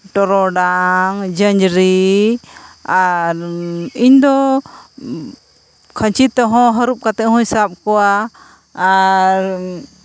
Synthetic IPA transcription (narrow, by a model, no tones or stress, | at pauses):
ʈɔɾɔɖaŋd͡ʒəɲd͡ʒɾi | aɾiɲd̪ɔ | kʰəɲt͡ʃit̪ɔɦɔ̃ɦəɾup̚kat̪ɛʔhũɲsap̚kɔwaː | ɾ